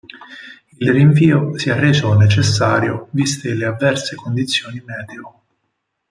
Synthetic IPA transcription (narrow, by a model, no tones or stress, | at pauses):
ilriɱviːosiarːed͡ʒɔnet͡ʃesːa̰ːɾjovist̪eleavːɛrsekond̪it̪sːjoːnimɛːd̪eo